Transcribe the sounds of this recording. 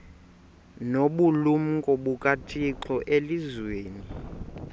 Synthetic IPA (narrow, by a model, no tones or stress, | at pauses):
noɓulum̩kʼɔɓukʼatʰʼiǁɔʔelizweːni